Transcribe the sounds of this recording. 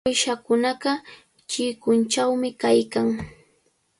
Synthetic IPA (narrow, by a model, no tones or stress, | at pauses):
ojʃakʊnɑɢɑ | t͡ʃɪkʊnt͡ʃawmɪkajkaŋ